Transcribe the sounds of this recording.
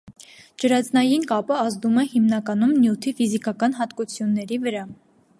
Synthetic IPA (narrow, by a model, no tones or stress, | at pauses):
d͡ʒəɾɑt͡snɑjinkɑpəɑzd̪umɛhimnɑkɑnumnjut̪ʰifizikɑkɑnɦɑt̪kut͡sʰjunːɛɾivəɾɑ